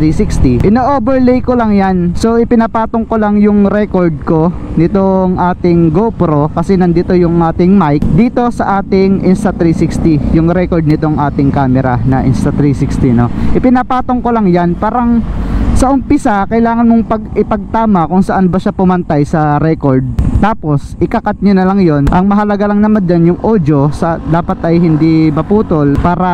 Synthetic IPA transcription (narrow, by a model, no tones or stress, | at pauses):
ɾisikst̪iʔɪnoːʔoːbɛɹlɛjkolɐŋjanso̞ʔɪpɪnɐpaːt̪oŋkolɐŋjʊŋɾɛkoɹd̪̚ko̞nɪt̪oŋʔaːt̪ɪŋɡopɾo̞kɐsɛnɐnd̪iːt̪o̞jʊŋʔaːt̪ɪŋmajk̚d̪iːt̪o̞sɐʔaːt̪ɪŋʔɪnst̪ɐt̪ɾisikst̪ijʊŋɾɛkoɹd̪̚nɪt̪oŋʔaːt̪ɪŋkaːmɛɾɐnɐʔɪ̰nst̪ɐt̪ɾisikst̪ino̞ʔɪpɪnɐpaːt̪o̞ŋkolɐŋjanpaːɾɐŋsɐʔʊmpɪsakɐjɪlaːŋɐnmoŋpɐɡɪpɐɡ̚t̪aːmɐkʊŋsɐʔanbɐʃapʊmɐnt̪ajsɐɾɛko̞ɹd̪̚t̪aːpo̞sʔɪkɐkat̪̚ɲonɐlɐŋjo̞nʔɐŋmɐɦɐlɐɡalɐŋnɐmand͡ʒanjʊŋʔoːd͡ʒosɐd̪aːpɐt̪ɐjɦɪnd̪imɐpuːt̪o̞lpaːɾɐ